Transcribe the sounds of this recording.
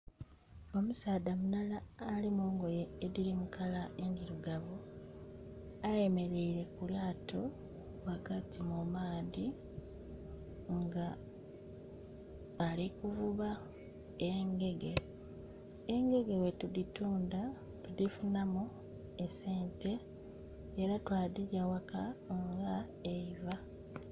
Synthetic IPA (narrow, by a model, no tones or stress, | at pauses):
o̞musaːdamunalaːlimuːŋɡo̞jeeðilimukʰalaʔe̞ndiɾuɡaβu | aje̞me̞ɾe̞iɾe̞kulaːtʰo̞ | wakatimumaːði | ŋɡa | likuvuβa | eŋɡe̞ɡe | eŋɡe̞ɡe̞we̞tudituːnda | tudifunamu | e̞se̞ːnte̞ː | ɾatwaːdiɟawakaŋɡa | eiva